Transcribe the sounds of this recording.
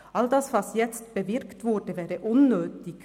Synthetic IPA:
ʔɑld̪ɑsvɑsjɛt͡stb̥evɪʁktv̥ʊɾd̥əvɛːɾəʔʊnːøːtɪɡ̥

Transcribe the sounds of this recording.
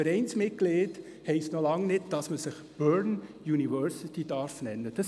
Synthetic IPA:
fəɾɛɪnsmɪt̚ɡ̥leːd̥ | hɛɪstnolɑŋnɪt̚d̥ɑsməsɪχb̥œɹnjunivœɾsit̪id̥ɑɾfnɛnːəd̥ɑs

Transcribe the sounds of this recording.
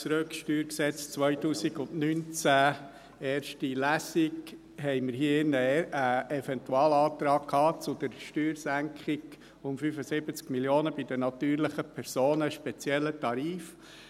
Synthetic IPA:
t͡sɾøkʃtyːɾksɛt͡st͡svœʏtuːsiɡʊndnynt͡sæ | eːɾʃtilæsiɡ | ɦɛɪməɾɦiːəɪnːəəɛfɛntuɑːlɑːtɾɑːkkʰhɑːt͡sʊd̪̥əɾʃtyːɾsæŋkχɪɡ | ʊmfyfəsɪbət͡skmiljoːnəbɪd̪ənɑt̪yːɾlɪχəpʰɛɾsoːnəʃpɛt͡sjɛlːətɑɾiːf

